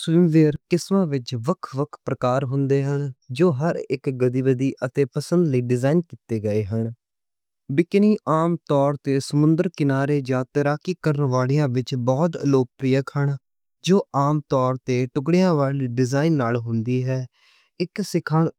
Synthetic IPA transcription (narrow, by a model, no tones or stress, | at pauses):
sʋɪmʋeːɾkɪsmãːʋɪt͡ʃʋəkʰʋəkʰpɾəkaːɾɦʊ̃nd̪eːɦənd͡ʒoːɦəɾɪkɡəd̪iːʋəd̪iːʔət̪eːpəsənd̪ləiːɖɪzaːinkiːt̪eːɡəeːɦəɳ | bɪkniːʔaːmt̪ɔːɾt̪eːsəmʊ̃nd̪əɾkɪnaːɾeːd͡ʒãːt̪əɾaːkiːkəɾənʋaːlijãːʋɪt͡ʃbɔːt̪əloːk̚pɾɪjəkhəɳ | d͡ʒoːʔaːmt̪ɔːɾt̪eːʈʊkɽijãːʋaːliːɖɪzaːɪnːaːlɦʊnd̪iːɦɛː | ɪksɪkʰaːɳ